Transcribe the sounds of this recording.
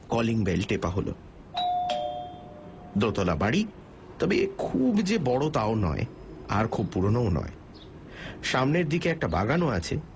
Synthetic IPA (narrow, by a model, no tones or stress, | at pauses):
kɔliŋbelʈepaɦolo̰ | d̪ot̪olabaɽi | t̪ɔbekʰubd͡ʑebɔɽot̪aonɔ̰e | aɾkʰubpuɾonoonɔ̰ḛ | ʃamneɾd̪ikeɛk̚ʈaba̰ɡanoat͡ɕʰḛ